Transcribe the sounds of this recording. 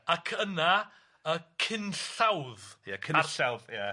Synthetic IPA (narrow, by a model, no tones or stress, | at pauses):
akʰəna | əkʰɪnɬawðjakʰɪaɬawðja